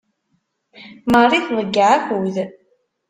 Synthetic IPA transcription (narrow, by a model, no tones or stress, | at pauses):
mərˤiθðˤəɡːaʕæxuð